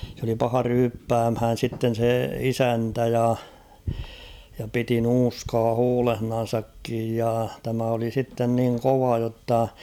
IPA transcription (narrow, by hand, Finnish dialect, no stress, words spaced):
sĕ oli pɑhɑ ryːpːæːmhæːn̞ sitːen̞ se isæntæ jɑ jɑ piti nuːskɑː huːlehnɑn̞sɑkːij jɑ tæmæ oli sitːen niŋ koʋɑ jotːɑ